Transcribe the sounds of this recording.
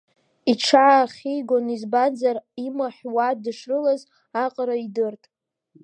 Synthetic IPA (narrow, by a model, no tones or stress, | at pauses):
iʈ͡ʂʰaaχʲejɡʷonizbad͡zarimaħwadɨʂrɨlaz | aqʼɾaidɨrtʼ